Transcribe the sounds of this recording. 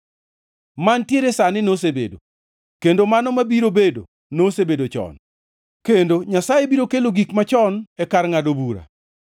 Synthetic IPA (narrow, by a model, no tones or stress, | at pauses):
mantjeɾesanɪnosebḛdo̰ | kendomanɔmabiɾobedo | nosebedot͡ʃɔ̰n | kendoɲasajebiɾokeloɡikmat͡ʃɔnɛkarŋadobuɾa̰